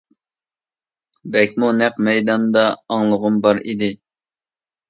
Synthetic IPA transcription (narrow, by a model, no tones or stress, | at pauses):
bɛkʲmunæqmɛjd̪ɑnd̪ɑːŋlˠəʁʊmbɑɾḭd̪ɪ